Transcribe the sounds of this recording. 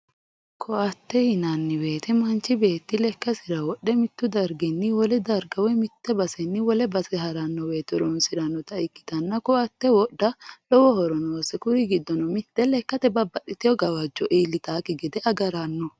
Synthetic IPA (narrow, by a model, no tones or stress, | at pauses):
kʰɔʔɐt̪ːɛhɪnɐnːɪwe̞ːt̪ɛmɐnt͡ʃːɪbe̞ːt̪ːɪlɛkːɐsɪɾɐwɔɗɛmɪt̪ːʊd̪ɐɾɡɛnːɪwɔlɛd̪ɐɾɡɐwɔmɪt̪ːɛbɐsɛnːɪwɔlɛbɐsɛɦɐɾɐnːɔweːt̪ːɛɾɔnsɪɾɐnːɔt̪ɐɪkːɪ̥t̪ɐnːɐkɔʔɐt̪ːɛwɔɗːɐlɔwɔhɔɾɔnoːsɛkʊɾɪɡɪd̪ːɔnɔmɪt̪ːɛlɛkːɐt̪ɛbɐbːɐᶑɪt̪ɪjɔɡɐwɐd͡ʒːɔʔiːlːɪt̪aːkɪɡɛd̪ɛʔɐɡɐɾɐnːɔ